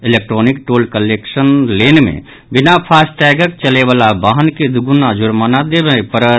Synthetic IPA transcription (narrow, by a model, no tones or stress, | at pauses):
ilek̚ʈɾonikʈoːlkəleksənlenmḛ̃ | bɪnapʰasʈɛɡək̚t͡ʃəleʋalabaɦənked̪uɡunad͡ʒʊɾmanad̪ebẽpəɾə